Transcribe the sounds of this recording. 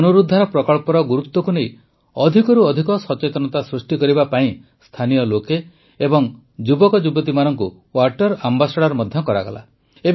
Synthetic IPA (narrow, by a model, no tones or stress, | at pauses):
ɔnuɾud̪ʱːaɾɔpɾɔkɔɭpɔɾɔɡuɾut̪ːɔkunej | ɔd̪ʱikɔɾuɔd̪ʱikɔsɔt͡ʃet̪ɔnɔt̪asɾusʈikɔɾibapaĩ | st̪ʰanijɔloke | ebɔŋ | d͡ʒubɔkɔd͡ʒubɔt̪̬imanɔŋku | waɾʈɔɾambasɔɽaɾɔmɔd̪ʱjɔkɔɾa̰ɡɔ̰la̰ | eb